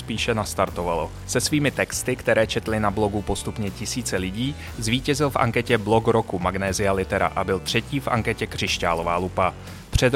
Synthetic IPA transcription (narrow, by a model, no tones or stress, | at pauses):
spiːʃɛnast̪aɾt̪o̞valo̞ | sɛsviːmɪt̪ɛkst̪ɪkt̪ɛɾɛːt͡ʃɛt̪lɪnablo̞ɡupo̞st̪upɲɛcɪsiːt͡sɛlɪɟiː | zviːcɛzɪlfʔa̰ŋkɛcɛblo̞ɡɾokumaɡnɛːzɪalɪt̪ɛɾa̰ʔabɪlt̪r̝̥ɛciːfʔa̰ŋkɛcɛkr̝̥ɪʃcaːlo̞vaːlupa | pr̝̥ɛd̪